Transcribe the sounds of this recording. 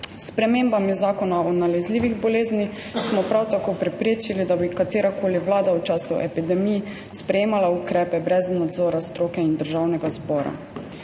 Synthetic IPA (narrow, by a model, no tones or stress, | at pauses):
spɾɛmembamizaːkɔnaɔnalɛzliːʋiɣbɔleːznix | smɔpɾawt̪akoːpɾɛpɾeːt͡ʃilid̪abikat̪eːɾakoːliʋlaːd̪awt͡ʃaːsuʔɛpid̪ɛmij | spɾɛjeːmalaukɾɛːpɛbɾɛznad̪zɔːɾast̪ɾoːkɛind̪əɾʒawnɛɡazbɔːɾa̰